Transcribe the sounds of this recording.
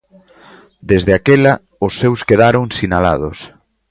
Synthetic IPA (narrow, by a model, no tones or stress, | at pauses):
d̪ezðeakela | ʊsːewskeðaɾoŋsinala̰ð̞ʊs